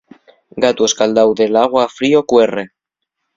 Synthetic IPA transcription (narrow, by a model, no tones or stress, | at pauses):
ɡat̪ueskald̪awðelaɣ̞waːfɾiokwere